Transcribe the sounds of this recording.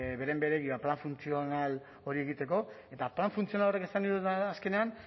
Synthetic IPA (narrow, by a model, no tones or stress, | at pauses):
βe̞ɾembe̞ɾe̞ɣiβaplaɱfunt͡sio̞nal | o̞ɾie̞ɣit̪e̞ko̞e̞t̪aplanfunt͡sio̞nalo̞reke̞saniuaske̞ne̞an